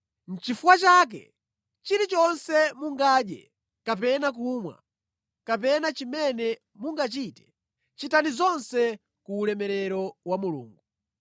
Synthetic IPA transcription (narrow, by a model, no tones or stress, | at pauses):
n̩t͡ʃifuwat͡ʃaːk̬ɛ̰ | t͡ʃiɾit͡ʃɔnsɛmuŋɡaːɗjɛ̰ | kap̬ɛnak̬umwa̰ | kapɛnat͡ʃimɛnɛ | muŋɡat͡ʃitɛ̥ | t͡ʃitanizɔnsɛ | kuːlɛmɛɾɛɾɔwamulṵːŋɡu